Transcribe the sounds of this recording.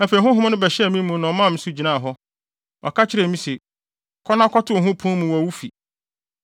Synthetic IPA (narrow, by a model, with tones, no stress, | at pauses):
æ˨fe˨ɦʊ̃˦ɦʊ̃˦nʊ̃˦bɛ˨ɕɛ˦˨mĩ˦mũ˨˦nã˨ɔ˨˦mã˦˨m̩̃˨˦sʊ˦˨d͡ʑi˨nã˦˨ɦɔ˦ | ɔ̰˨kʰa˦t͡ɕʰɪ˦ɾɛ˨mĩ˦se˨ | kʰɔ˦nã˦kʰɔ˦tʰʊ˦˨ɦʊ̃˦pʰʊ̃˦mũ˨wæ˨wu˦fi˨